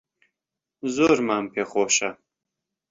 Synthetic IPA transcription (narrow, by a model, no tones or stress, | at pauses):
zoɾmaːmpʰeχoːʃɐ